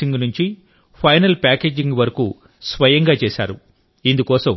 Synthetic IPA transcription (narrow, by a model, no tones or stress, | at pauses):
iŋɡnuɲt͡ʃi | pʰɐjnɐlpaːke̞ːd͡ʒiŋɡʋɐɾɐku | sʋɐjɐŋɡaːt͡ʃɛːsa̰ːɾu | ind̪ukɔːsɐ